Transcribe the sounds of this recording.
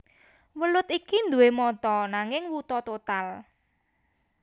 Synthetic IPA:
wəlʊt̪ikind̪uwemɔt̪ɔnaŋɪŋwut̪ɔt̪ot̪al

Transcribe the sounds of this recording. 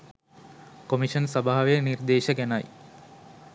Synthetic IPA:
komiʃənsɐbaɦːaʋejənird̪eːʃəɡænaj

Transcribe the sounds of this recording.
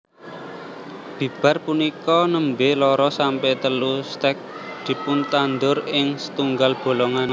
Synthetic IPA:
b̥i̤b̥a̤rpunikɔnəmbelɔɾɔsampɛt̪əlust̪ɛk̚ | d̪̥i̤pʊnt̪and̪ʊrɪŋsə̥t̪uŋɡalb̥o̤lɔŋan

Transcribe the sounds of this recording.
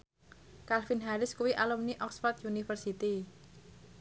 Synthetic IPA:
kalfinɦaɾɪskuwiʔalumniʔɔksfart̪junifərsit̪i

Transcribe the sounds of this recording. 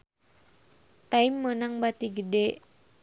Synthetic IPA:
t̪aimːənaŋbat̪iɡəde

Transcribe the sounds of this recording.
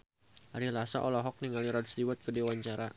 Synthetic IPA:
ʔaɾilasa̰ʔɔlɔɦɔk̚niŋaliɾad̚st̪iwat̪̚kədewaɲt͡ʃaɾa

